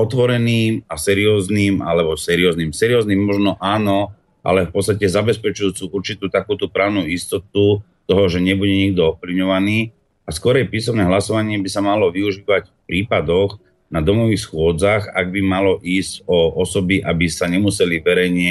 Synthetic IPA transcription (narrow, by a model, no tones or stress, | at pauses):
ɔt̪ʋɔɾɛniːmasɛɾiɔːzniːma̰lɛbɔsɛɾiɔːzniːmsɛɾiɔːzniːmːɔʒnɔʔaːnɔ | ʔa̰lɛfpɔt͡sst̪acɛzabɛspɛt͡ʃujuːt͡siʔuɾt͡ʃit̪uːt̪akuːt̪upɾaʊnuist̪ɔt̪̚u | t̪ɔɦɔʒɛɲɛbuɟɛɲiɡ̚d̪ɔɔfpliʋɲɔʋaniː | askɔɾɛjpiːsɔmnɛɦlasɔʋaɲɪɛbisamalɔʋiuʒiːʋacfpɾiːpad̪ɔɣ | nad̪ɔmɔʋiːxsxʊɔd͡zaɣa̰ɡ̚bimalɔʔiːscɔɔsɔbiʔabisaɲɛmusɛliʋɛɾɛjɲɪɛ